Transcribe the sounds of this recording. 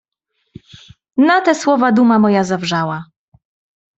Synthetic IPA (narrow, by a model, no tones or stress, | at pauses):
nat̪ɛswɔvad̪umamɔjazavʐawa